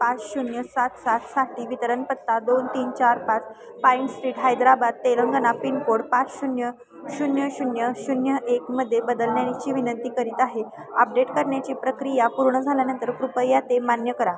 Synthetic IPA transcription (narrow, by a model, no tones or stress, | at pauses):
pat͡sɕunjəsat̪sat̪saʈiːʋit̪əɾənpət̪ːad̪ont̪iːnt͡ɕaɾpat͡s | paiɳʈsʈɾiːʈɦajd̪ɾabad̪̚t̪eləŋɡənapiɳkoɽpat͡sɕunjə | ɕunjəɕunjəɕunjəʔekməd̪ʱːjebəd̪əlnjat͡ɕiːʋinənt̪iːkəɾiːt̪aɦe | əp̚ɖeʈkəɾɳjat͡ɕiːpɾəkɾijapuɾɳəd͡zʱaljanənt̪əɾkɾupəjːat̪emanjəkəɾa